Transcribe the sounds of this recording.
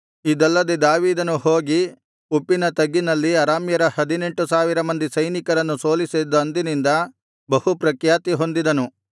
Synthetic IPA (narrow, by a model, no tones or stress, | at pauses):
id̪ɐlːɐd̪ed̪aːʋiːd̪ɐnuho̞ːɡi | upːinɐt̪ɐɡːinɐlːiɐɾaːmjɐɾɐhɐd̪ine̞ɳʈusaːʋiɾɐmɐnd̪isɐjnikɐɾɐnːusoːlised̪ɐnd̪inind̪ɐ | bɐhupɾɐkjaːt̪iɦo̞nd̪id̪ɐnu